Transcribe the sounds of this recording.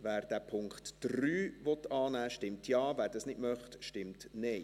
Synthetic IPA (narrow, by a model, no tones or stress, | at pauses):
ʋæːɾd̥æpʰʊŋkχtːryːʋɔt̪ːɑːnæːʃtɪmtʰjɑːvæːɾdɑsnɪdmœχtʃtɪmtneɪ